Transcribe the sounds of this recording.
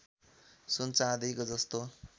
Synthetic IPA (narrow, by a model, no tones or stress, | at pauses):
sunt͡sãd̪ʌjkod͡zʌst̪o